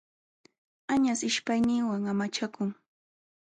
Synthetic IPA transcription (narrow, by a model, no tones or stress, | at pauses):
aɲasɪʃpajnɪŋwaŋamat͡ʃakʊŋ